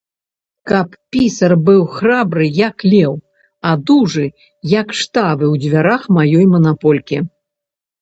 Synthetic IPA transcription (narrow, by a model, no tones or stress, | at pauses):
kɐppʲisɐrbɨwxɾabɾɨjɐklʲɛw | ɐd̪uʐɨ | jɐkʂt̪avɨwd͡zʲvʲaɾaxmajɔjmɐnapɔlʲkʲi